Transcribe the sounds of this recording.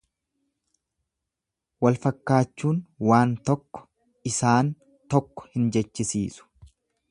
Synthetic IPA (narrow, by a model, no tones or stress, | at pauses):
wɐlfɐkːaːt͡ʃːuːnwaːnt̪ɔkːɔ̥ | ɪsaːn | t̪ɔkːɔ̥hɪnd͡ʒɛt͡ʃːɪsḭːsʊ̥